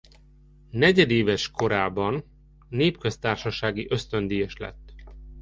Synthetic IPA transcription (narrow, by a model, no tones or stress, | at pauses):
nɛɟɛd̪eːvɛʃko̞ɾaːbɒnː | eːpkø̞st̪aːrʃɒʃaːɡiʔøst̪ønd̪ijɛʃlɛ̰t̪ː